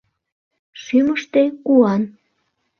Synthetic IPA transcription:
ʃyməʃt̪ekuɑn

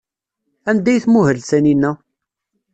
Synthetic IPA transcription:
ænd̪æjθmʊhəɾsæninːæ

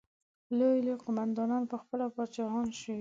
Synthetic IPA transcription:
lojleqʊmand̪ɑnɑnpəxpəlapɑt͡ʃɑhɑnʃi

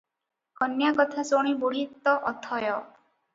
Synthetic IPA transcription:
ɔnjakɔt̪ʰasoɽ̃ibuɾit̪ːɔʔɔt̪ʰɔjɔ

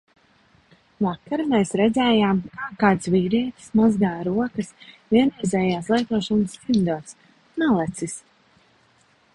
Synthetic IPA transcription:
vakaɾmeːsɾɛd̪zɛːjaːmkaːkaːt̪sviːɾiɛt̪i̥smazɡaːɾuɔkɐsvʲiɛnɛːzɛːjaːslˠajt̪uɔʃɔnst̪imd̪uɔt̪s | nalˠɛt̪sis

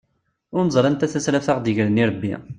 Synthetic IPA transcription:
ʊɾnəzˤɾˤɑnt̪æθæsɾæfθaʁd̪əʝɾəniɾˤəbːḭ

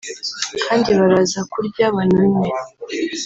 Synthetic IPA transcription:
kʰaːndiβaɾazakuɾɟaβanani

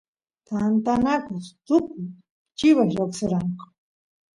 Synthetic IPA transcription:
t̪ant̪anakat̪ʊkʊj | t͡ʃɪwaʃɾaksaɾɑɴqɑ̥

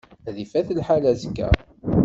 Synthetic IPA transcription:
æðifæθəlħalæzəkːæ̰

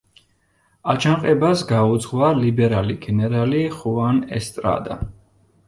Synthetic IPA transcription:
at͡ʃʰanqʼɛbasɡaud̪zʁvalibɛɾaliɡɛnɛɾaliχuanɛ̰st̪ʼɾa̰d̪a̰

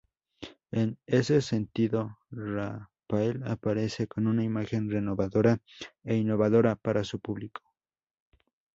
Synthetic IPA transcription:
enesesent̪iðorafaela̰paɾe̞sekonunaimaxe̞nrenoβaðoɾaeinoβaðoɾapaɾasupuβlikʰo̥

